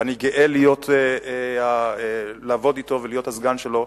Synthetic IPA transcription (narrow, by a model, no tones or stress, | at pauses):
aniɡeʔelijo̞tʰeea | laːvo̞dito̞velijo̞thazɡanʃelo̞